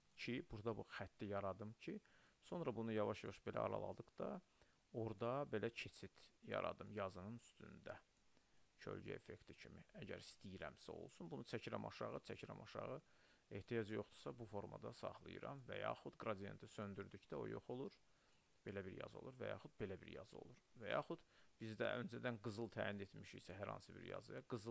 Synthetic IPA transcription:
cʰibuɾd̪ɑbuxæt̪ʰːijɑɾɑd̪ɯmcʰiso̞nɾɑbunujɑvɑʃjɑvɑʃbe̞lʔæ̰ɑ̰ɾɑ̰lˠɑ̰d̪ɯqd̪ɑ | o̞ɾd̪ɑbe̞læcʰe̞t͡sʰit̪jɑ̰ɾɑ̰d̪ɯmjɑzɯnɯnyst̪ʰynd̪æ | cʰø̰lɟy̰e̞̰fe̞kt̪ʰicʰimiæɟæ̰ɾist̪ijiɾæmsæo̞̰lˠsunbunut͡ʃʰæcʰiɾæ̰mʔɑ̰ʃɑʁɯt͡sʰæcʰiɾæmɑʃɑ̰ʁɯ | e̞ht̪ʰijɑd͡ʒjo̞χd̪u̥sɑbufo̞ɾmɑd̪ɑsɑ̰χlˠɯjɯɾɑmvæ̰jɑ̰ːxud̪ɡɾɑd̪ijent̪ʰisø̞nd̪yɾd̪ycd̪æo̞̰jo̞χo̞lˠuɾ | b̥e̞læbiɾjɑ̰zo̞lˠuɾvæjɑ̰χud̪̚be̞læbḭɾjɑzɯo̞̰lˠuɾvæjɑ̰ːχud̪̥b̥izd̪æ̰ø̞nd͡ʒæd̪ænɡɯzɯlˠt̪ʰæːjine̞t̪miʃḭjsæɦæɾhɑ̰nsɯbḭɾjɑ̰zɯjɑɡɯz

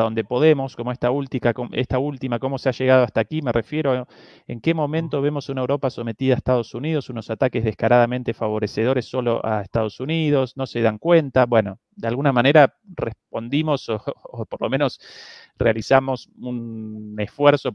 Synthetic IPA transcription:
ðo̞nd̪epo̞ðe̞mo̞sko̞moehst̪ault̪ikakoest̪ault̪imako̞mo̞seaʒe̞ɣ̞að̞oast̪aːkime̞rʔe̞fje̞ɾo | e̞̰ŋke̞mõ̞mẽ̞nt̪o̞β̞e̞mo̞sunaewɾo̞paso̞me̞t̪iðaest̪að̞o̞suniðo̞suno̞sat̪ake̞zðehkaɾað̞ament̪e̞faβ̞o̞ɾe̞se̞ð̞o̞ɾesːo̞lo̞̰ʔa̰est̪að̞o̞suniðo̞sno̞se̞ðaŋkwe̞nt̪aβwe̞no̞ | d̪ealɣunamane̞ɾa | respo̞nd̪imo̞soːpoɾlo̞mẽ̞nos | realisamo̞sunesfweɾso̞

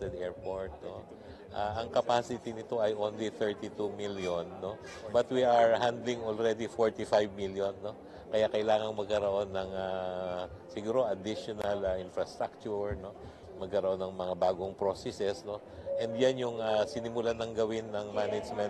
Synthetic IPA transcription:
t̪ɛd̪ɛɹpoɹt̪̚no | ʔaʔɐŋkɐpasɪt̪inɪt̪o̞ʔɐjʔonliθɛɹt̪it̪umiljonːo̞ | bɐt̪wiɐɹhand̪lɪŋolɾɛd̪ifoɹt̪ifajvmiljonːo̞ | kɐjakɐɪlaːŋɐŋmɐɡ̚kɐɾoʔo̞nːɐŋa | sɪɡuːɾo̞ɐd̪ɪʃonɐlɐʔɪnfɾɐst̪ɾak̚t͡ʃuɹno̞ | mɐɡ̚kɐɾɐoʔo̞nːɐŋmɐŋabaːɡoŋpɾosɛsɛsno̞ | ʔɛnd̪janjʊŋasɪnɪmʊlanɐŋɡɐwɪnːɐŋmanɪd͡ʒmɛn

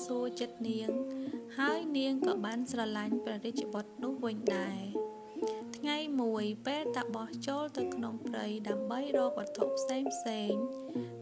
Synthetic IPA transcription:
suət͡ɕət̪̚niəŋhaəjniəŋkɑːɓaːnsrɑlaɲprɛɾic̚t͡ɕ̆ɓət̪̚nʊ̆əhʋɨɲɗaɛ | t̪ʰŋajmuəjpeːlt̪aɓɑht͡ɕoːlt̪ɨwkʰnoŋprɨjɗaəmɓəjrɔːk̚ɓət̪ʰoʔpʰseːŋpʰseːŋ

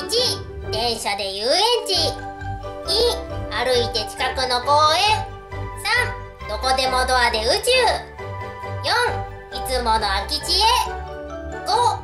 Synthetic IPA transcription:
it͡ɕi | d̪̥ẽ̞ɰ̃ɕad̪e̞jɯːẽ̞ɲ̟t͡ɕi | ɲiaɾɯ̟it̪e̞t͡ɕi̥kakɯ̟no̞ko̞ːẽ | sãɴ | d̪̥o̞ko̞d̪e̞mo̞d̪o̞ad̪e̞ɯ̟t͡ɕɨː | jõŋ | it͡sɨmo̞no̞akʲit͡ɕie | ɡ̥o

